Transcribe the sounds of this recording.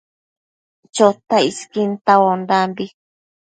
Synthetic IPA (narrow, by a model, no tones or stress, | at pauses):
t͡ʃot̪aiskint̪awondambi